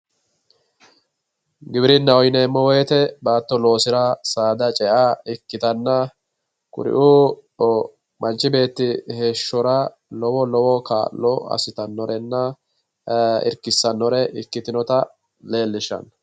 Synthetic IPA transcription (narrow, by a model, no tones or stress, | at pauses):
ɡɪbɪɾɪnːɐɔjneːmːɔwɔjɛt̪ɛbaːt̪ːɔlo̞ːsɪɾɐsaːd̪ɐt͡ʃʼɛʔaːɪkːɪt̪ɐnːɐ | kʊ̰ɾɪ̰ʔuː | mɐnt͡ʃːɪbe̞ːt̪ːɪhe̞ːʃːɔɾɐ | lɔwɔlɔwɔka̰ːlɔɐ̰sɪt̪ɐnːɔɾɛnːɐ | ɪ̰ɾkɪsːɐnːɔɾɛʔɪkːɪt̪ɪnɔt̪ɐ | le̞ːlːɪʃɐ̰n